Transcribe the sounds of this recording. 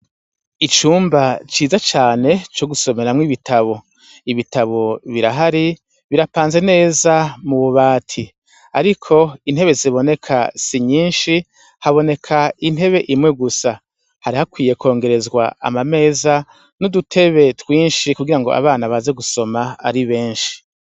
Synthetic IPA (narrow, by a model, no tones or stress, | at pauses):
it͡ʃuːmbat͡ʃiːzat͡ʃaːne̞t͡ʃo̞ɡuso̞me̞ɾamŋiβitʰaβo̞ | iβitaβo̞βiɾaɦaɾi | βiɾapaːnze̞ne̞ːzamuβuβaːtʰi | aɾikʰo̞in̥e̞βe̞ziβo̞ne̞kʰa̰siɲiːnʃi | haβo̞ne̞kʰain̥ɦe̞βe̞ʔimŋe̞ɡusa | haɾihakwiːje̞ko̞ːŋɡe̞ɾe̞zɡwa̰a̰mame̞ːza | nudutʰe̞βe̞twiːnʃikuɡiɾaŋɡo̞̰a̰βaːnaβaze̞ɡuso̞maa̰ɾiβe̞ːnʃi̥